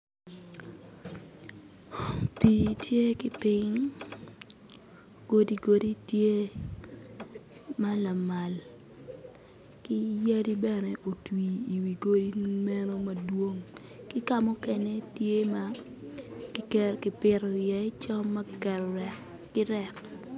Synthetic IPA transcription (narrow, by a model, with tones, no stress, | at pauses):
pi˨tje˦kɪ˦pɪ˦ŋ | ɡ̥o˦di˦ɡo˨di˦tje˦ | ma˦la˨ma˨l | kɪ˦ja˦di˦bɛ˦nɛ˨ʔo˨twiː˨wi˨ɡo˦di˦mɛ˦no˦ma˨dwo˦ŋ | kɪ˦ka˦mɔ˦kɛ˨ne˦tje˦ma | kɪ˨kɛ˦ɾkɪ˨pɪ˨ɾɔ˨jɛ˨˦t͡ʃɔ˦ma˦kɛ˨ɾɾɛ˦ | kɪ˦ɾɛ˦k